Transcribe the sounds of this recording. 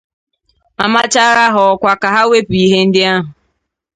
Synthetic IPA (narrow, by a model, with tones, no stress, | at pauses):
a˨ma˦t͡ʃa˦ɾa˦ɦɔ˨kʷa˦ka˨ɦa˦we˦pi˦ɦe˦n̩˦dɪ˦a˦ɦʊ˨